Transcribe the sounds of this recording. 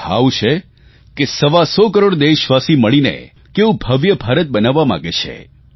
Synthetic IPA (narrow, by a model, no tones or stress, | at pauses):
a̰wt͡ʃʰe | kesəʋasɔkəɾoɽd̪eʃʋasiməɭinḛ | keʋũbʱəʋjəbʱaɾət̪̚bənaʋːamã̰ɡet͡ʃʰḛ